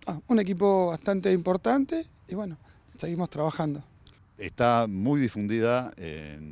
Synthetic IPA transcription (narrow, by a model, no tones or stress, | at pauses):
aune̞k̬ipo̞βast̪ant̪e̞impoɾt̪ant̪e | iβweno | seɣimo̞st̪ɾaβaxand̪o | ḛst̪amujðifund̪iðaḛn